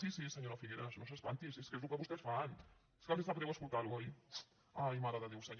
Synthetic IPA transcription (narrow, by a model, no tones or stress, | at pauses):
sisisəɲoɾafiɣeɾasnos̬espant̪iseskezlukəβust̪esfan | e̥skald̪ezt̪apðɛwaɐskulˠt̪aɾuoj | ajmaɾaðəðewsəɲ